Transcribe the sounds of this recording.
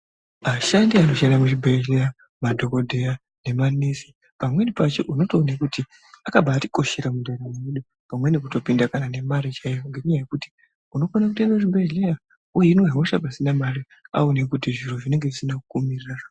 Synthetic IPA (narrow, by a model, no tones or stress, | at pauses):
aʃandiano̞ʃandamut͡ʃibʱeʒeja | madʱo̞ko̞dʱe̞ja | ne̞manisi̥ | pamwe̞nipat͡ʃeʔuno̞to̞ːnekuti | akabʱaːti̥ko̞ʃeɾamundeɾamweɗu | pamwe̞nik̬uto̞pindakanane̞maɾit͡ʃaijoŋɡe̞kuɲaje̞kuti̥ | uno̞fonak̬utaneʐibʱeʒeja | ujeinoɦaoʃa̰bʱasinamaɾi | a̰onekutiʐiɾoʐine̞ŋɡe̞ʐisinakukumirirara